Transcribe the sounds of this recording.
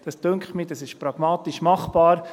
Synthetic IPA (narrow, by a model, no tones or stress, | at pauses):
d̥ɑstʏŋkχmiːd̥ɑsɪʃpɾɑɡ̥mɑːt̪iʃmɑχb̥ɑːɾ